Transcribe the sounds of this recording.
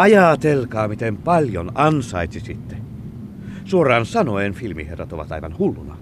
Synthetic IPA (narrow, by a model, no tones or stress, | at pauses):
ɑjɑt̪elkɑːmit̪empɑlʲjonɑnsɑit̪sisit̪ːe | suorˑɑːnsɑnoenfilmḭherɑt̪oʋɑ̰t̪ɑ̰iʋɑ̰nhulːunɑ̰